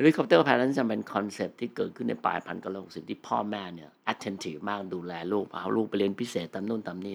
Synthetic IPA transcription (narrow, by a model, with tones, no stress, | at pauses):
li˦˥kʰɔ˨˧p̚t̪ɤː˥˩pʰɛː˧na˦˥t͡ɕa˧pe˧nkʰɔ˧nse˨˩p̚t̪ʰiː˥˩kɤː˨˩t̪̚kʰɯ˥˩nːa̰˧jpa̰ː˧jpʰa̰˧nka˥˩loː˥˩k̚si˨˩˦t̪ʰiː˥˩pʰɔ̰ː˥˩mɛː˥˩ni˥˩ɐʔa˨˧˥t̪ʰːe˧nt̪ʰiː˨˩fmaː˥˩k̚duː˧lɛː˧luː˥˩k̚ʰa̰˧˩a̰˧˩wluː˥˩k̚pa˧jɾi˧ənpʰi˦˥seː˨˩t̪ːa˧mnu˥˩ənt̪a˧mni˥˩